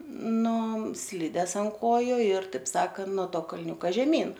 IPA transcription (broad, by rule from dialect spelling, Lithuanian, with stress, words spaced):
ˈnʊ ˈsʲlʲɪdʲɛs ɐnt ˈkoːjʊ ɪr ˈtɐɪp ˈsɑːkɐn noː ˈtoː kɐlʲˈnʲuːkɐ ʒʲɛˈmʲiːn